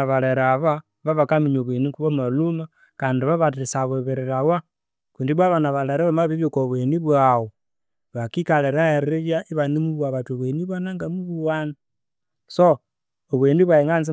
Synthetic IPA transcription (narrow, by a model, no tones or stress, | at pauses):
βaleɾaβa | βaβakamiɲoβwenikuβamaluma | kaːndiβaβat̬isaβeβeɾeɾawa | kuːndiβwaβanaβaleɾaβamaβiβjokoβweniβwawo | βakikaleɾaeɾɾejaʔiβanimuβwaβatoβweniβanaŋɡamuβuwana | so | oβweːniβwaeŋanzi